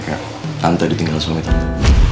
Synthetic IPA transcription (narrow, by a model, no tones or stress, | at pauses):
ka̰ | ant̪adit̪iŋɡalsamit̪ant̪a